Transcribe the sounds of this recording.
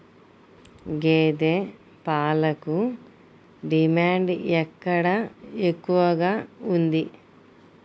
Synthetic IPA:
ɡeːd̪eː | paːlɐku | ɖimaːɳɖɛkːɐɽɐekːuʋɐɡaːund̪i

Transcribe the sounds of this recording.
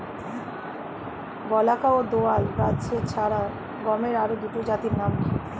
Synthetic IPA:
ɡɔlakaod̪oalɾad̪d͡ʑet͡ɕʰaɾa | ɡɔmeɾaɾod̪uʈod͡ʑat̪iɾnami

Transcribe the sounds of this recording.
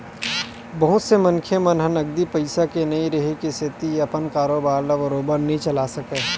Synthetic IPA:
bɐɦʊt̪semɐnkʰemɐnɦɐnɐɡd̪ipɐɪsakenɐĩɾɐɦekiset̪iɐpənkaːɾoːbaːɾlaʋɐɾoːbəɾnɐɦĩt͡ʃɐlaːsɐkeː

